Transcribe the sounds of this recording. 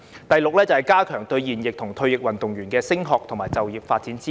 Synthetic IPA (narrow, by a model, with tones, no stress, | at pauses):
t̪ɐ˨jlʊ˨k̚lɛː˥t͡sɐ˨whɐ˨˩jkaː˥kʰœː˨˩ŋt̪ɵ˧ɥjiː˨˩njɪ˨k̚t̪ʰʊ˨˩ŋt̪ʰɵ˧ɥjɪ˨k̚wɐ˨nt̪ʊ˨ŋjyː˨˩nkɛː˧sɪ˥ŋɦɔː˨k̚t̪ʰʊ˨˩ŋmaː˨˩jt͡sɐ˨wji˨˩p̚faː˧t̚t͡si˨˥nt͡siː˥